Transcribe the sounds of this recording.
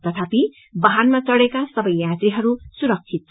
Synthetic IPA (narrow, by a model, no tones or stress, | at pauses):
t̪ʌt̪ʰapi | bʌɦanmat͡sʌɽekasʌbʌjːat̪rɾiɦʌɾusuɾʌk̚t͡ʃʰit̪̚